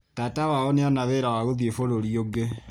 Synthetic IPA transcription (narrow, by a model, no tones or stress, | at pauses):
tatawaoneɔnaβeɾawaɣoðefoɾoɾioɡe